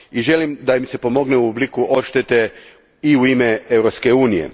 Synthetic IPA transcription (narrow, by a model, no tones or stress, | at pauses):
iʒe̞limd̪aimse̞po̞mo̞ɡneuublikuʔo̞ʃt̪et̪e̞ | iuimeeʋɾopske̞uːnijḛ